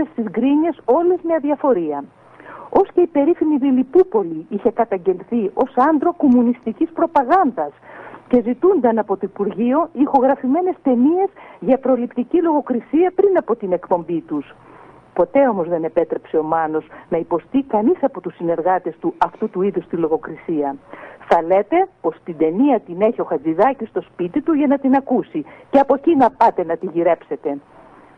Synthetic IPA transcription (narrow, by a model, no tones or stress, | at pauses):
est̪izɡɾiɲe̞so̞lezmeɐðiɐfo̞ɾiɐ | o̞sce̞ipe̞ɾifiniðilipupo̞liiçe̞kɐt̪ɐɲɟe̞lθio̞sɐnd̪ɾo̞ko̞munist̪icispɾo̞pɐɣɐnd̪ɐsce̞zit̪und̪ɐnɐpo̞t̪oipuɾʝioixo̞ɣɾɐfime̞ne̞st̪e̞nie̞zʝɐpɾo̞lipt̪icilo̞ɣo̞kɾisiɐpɾinɐpo̞t̪ine̞kpo̞mbit̪us | po̞t̪e̞o̞mo̞zðe̞ne̞pe̞t̪ɾe̞pse̞o̞mɐno̞snɐipo̞st̪ikɐnisɐpo̞t̪usːine̞ɾɣɐt̪e̞st̪uɐft̪ut̪uiðust̪ilo̞ɣo̞kɾisiɐθɐle̞t̪e̞po̞st̪id̪e̞niɐt̪ine̞çio̞xɐd͡ziðɐcist̪o̞spit̪it̪uʝɐnɐt̪inɐkusiceɐpo̞cinɐpɐt̪e̞nɐt̪iʝiɾe̞pse̞t̪e̞